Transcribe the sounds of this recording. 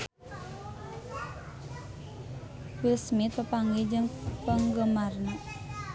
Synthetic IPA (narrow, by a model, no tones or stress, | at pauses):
wɪlsmit̪̚pəpaŋɡed͡ʒəŋpəŋɡəmarən